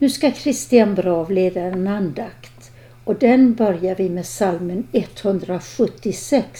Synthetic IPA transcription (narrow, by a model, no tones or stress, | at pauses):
nʉ̟ːskakʰɾɪst̪ɪanbɾɑːvleːd̪aɛnand̪akt̪ | ɔd̪ɛnbœɾjaɾvɪmeːsalmənɛt̪ːhɵnd̪ɾaɧɵt̪ːɪsɛks